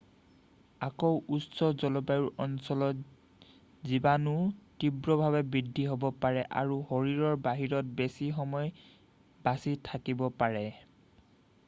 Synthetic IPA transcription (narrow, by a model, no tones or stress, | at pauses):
akowʔutsɔzɔlɔbajuɹʔɔnsɔlɔt | zibanʊtibɹɔbʱaβɛbɹidʱːiɦobɔpaɹɛʔa̰ɹuhoɹiɹɔɹbaɦiɹɔt̚besixɔmɔj | b̥asitʰakibɔpaɹɛ